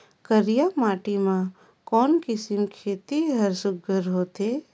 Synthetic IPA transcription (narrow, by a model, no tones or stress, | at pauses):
kəɾjamaːʈimã | kɔːnkɪsɪmkʰeːt̪iɦəɾsʊɡəɾɦoːt̪eː